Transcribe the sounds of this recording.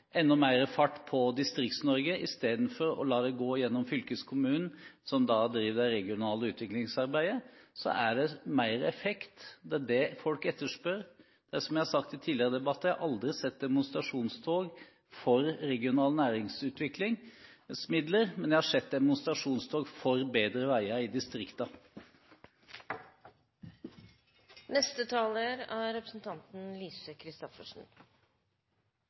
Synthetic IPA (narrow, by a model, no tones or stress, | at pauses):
ɛnːɔmæɪɾəfɑʈːpʰɔd̪ɪst̪ɾɪk̚t̪snɔɾɡəʔɪst̪eːd̪n̩fɔɾɔ̰lɑːd̪ɛɡoːjɛnːɔmfʏlkəskʰʊmʉːnn̩sɔmd̪ɑd̪ɾiːʋd̪æɪɾɛɡɪʊnɑːləʉːt̪ʋɪklɪŋsɑɾbæɪd̪əsɔ̰ʔæɖɛmæɪɾəɛfɛkt̪d̪ɛɖɛfɔlkɛt̪ːəʂpœɾ | d̪̥æʂɔmjæɪhɑsɑkt̪ɪt̪ʰiːlɪəɾəd̪ɛbɑt̪ːəjæhɑɾʔɑld̪ɾɪsɛt̪̚d̪ɛmʊnst̪ɾɑʂuːnst̪ʰoːɡ | fɔɾɾɛɡɪʊnɑːlnæːɾɪŋsʉːt̪ʋɪklɪŋ | smɪd̪ləɾmɛnd̪jæɪhɑʂɛt̪̚d̪ɛmʊnst̪ɾɑʂuːnst̪ʰoːɡfɔɾbeːd̪ɾəʋæɪəɪd̪ɪst̪ɾɪkt̪ɑ | nɛst̪ət̪ʰɑːləɾæːɾɛpɾəsn̩t̪ʰɑnt̪n̩lyːsəkʰɾɪst̪ɔfəʂn̩